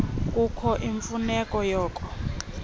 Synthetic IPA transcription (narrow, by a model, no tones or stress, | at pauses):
kʼukʰɔʔiɱfunɛkʼɔjɔːkʼɔ